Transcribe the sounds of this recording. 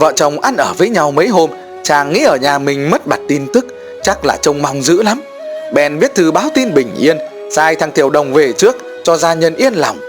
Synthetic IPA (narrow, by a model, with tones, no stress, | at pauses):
və̰ː˧˨t͡ɕə˨˩wŋ͡mʔa˧nʔəː˧˩vəː˨˦jɲa˧wmə˨˦jɦo˧m | t͡ɕaː˨˩ŋːḭ˧˥ʔəː˧˩ɲaː˨˩mï˨˩ŋ̟mə˦˥t̚ɓa˨˩t̚t̪i˧nt̪ɨ˦˥k̚ | t͡ɕa˦˥k̚laː˨˩t͡ɕə˧wŋ͡mma˧wŋ͡mzɨ̰˧˥la˨˦m | ɓɛ̰˧nvi˦˥ət̚t̪ʰɨ˧ɓaː˨˦wt̪i˧nɓï˨˩ŋ̟ʔi˧ən | saː˧jt̪ʰa˧ŋt̪ʰi˧˩əwɗə˨˩wŋ͡mve˨˩t͡ɕɨ˦˥ək̚ | t͡ɕɔ˧zaː˧ɲə˧nʔi˧ənla˨˩wŋ͡m